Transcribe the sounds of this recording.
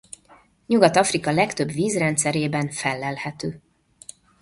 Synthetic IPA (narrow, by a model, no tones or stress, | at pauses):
ɲuɡɒt̪ɒfrikɒlɛkt̪ø̞bʋiːzrɛnt̪sɛɾeːbɛnfɛlːɛlhɛt̪øː